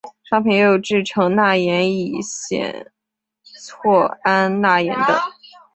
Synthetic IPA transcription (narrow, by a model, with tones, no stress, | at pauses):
ʂɑ˥ŋpʰi˨˥njɛ˧˥jo˨˩ʊʈ͡ʂɻ̩˥˩ʈ͡ʂʰɤ˧˥ŋna˥˩jɛ˧˥ni˨˩ɕjɛ̰˨˩n | t͡sʰwɔ˥˩a˥nna˥˩jɛ̰˧˥nd̪ə̰˧